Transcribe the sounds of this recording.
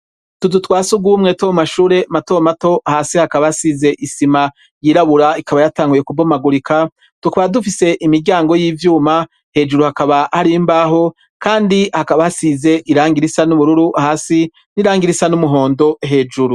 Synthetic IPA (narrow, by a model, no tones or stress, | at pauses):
tudutwaːsuɡumŋe̞twomaʃuːɾe̞matomato̞ʔahaːsihakaβahasize̞ʔisima | jiːɾaβuɾaikaβajataːŋɡuje̞kubomaɡuɾikʰa | tukaβadufise̞ʔimiɾɟaːŋɡo̞jiːvjuːma | he̞ːd͡ʒuɾuhakaβahaɾimbaɦo̞ | kaːndihakaβahasize̞ʔiɾaːŋɡiɾisanuβuɾuɾuʔahaːsi | niɾaːŋɡiɾisanumuɦo̞ːndo̞ɦe̞ːd͡ʒuɾu